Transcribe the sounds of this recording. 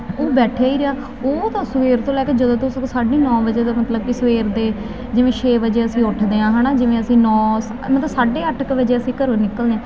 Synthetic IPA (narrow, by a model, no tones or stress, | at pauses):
oːbɛːʈʰaːiːɾeaː | oːt̪ãːsʋeːɾt̪õːlɛːkeːd͡ʒəd̪õːt̪õːsəkːsaːɖiːnɔ̃ːʋəd͡ʒeːd̪aːmət̪ləb̚kiːsʋeːɾd̪eː | d͡ʒɪʋẽːʃʰeːʋəd͡ʒeːəsĩːʊʈʰd̪eːãːɦãːnaːd͡ʒɪʋẽːəsĩːnɔːs | mət̪ləbsaːɖeːəʈʰkʋəd͡ʒeːəsĩːkəɾõːnɪkːəld̪eãː